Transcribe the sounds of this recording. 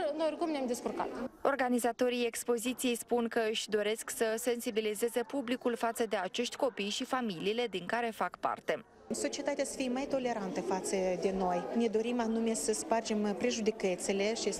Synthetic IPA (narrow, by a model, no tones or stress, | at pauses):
noorʲkumnʲamd̪eskurka̰t̪o̞rɡanizat̪o̞ɾije̞kspo̞zit̪sijejspuŋkəɨʃʲd̪o̞ɾe̞sksəse̞nsibilize̞ze̞publikulfat̪səd̪e̞at͡ʃe̞ʃt̪ʲko̞pijʃifamiliːle̞d̪iŋkaɾe̞fakpa̰rt̪e̞ | so̞t͡ʃie̞t̪at̪easə̥fijemajt̪o̞le̞ɾant̪əfat̪səd̪e̞no̞jne̞d̪o̞ɾimanume̞səspard͡ʒe̞mpɾeʒud̪ikət̪sele̞ʃi